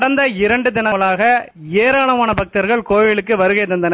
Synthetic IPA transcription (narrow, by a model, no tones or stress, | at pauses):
ɽɐnd̪ɐɪɾɐɳɖɯd̪ɪnɐɐɭaːɣɐ | eːɾaːɳɐmaːnɐbɐk̚t̪ɐɾɣɐɭkoːjɪɭɯkːɯʋɐɾɯɣɐɪt̪ːɐnd̪ɐnɐ